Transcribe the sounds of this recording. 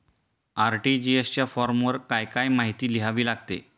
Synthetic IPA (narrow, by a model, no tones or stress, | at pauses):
aɾʈiːd͡ʑiest͡ɕjafɔɾmʋəɾkajkajmaɦit̪iːliɦaʋiːlaɡt̪ḛ